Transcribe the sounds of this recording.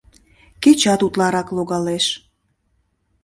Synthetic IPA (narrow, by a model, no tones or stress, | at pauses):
ket͡ɕɑt̪ut̪lɑɾɑkloɣɑleʃ